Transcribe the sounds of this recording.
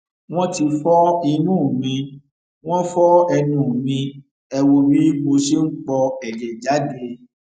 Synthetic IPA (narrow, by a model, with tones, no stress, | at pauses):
w̃ɔ̃˦ti˧fɔ˦i˧nũ˦˨mĩ˧ | w̃ɔ̃˦fɔ˦ɛ˧nũ˨˦˨mĩ˧ | ɛ˧wo˧bi˦mo˧ʃe˦ŋ̩˦k͡pɔ˧ɛ˨d͡ʒɛ˨d͡ʒa˨˦de˧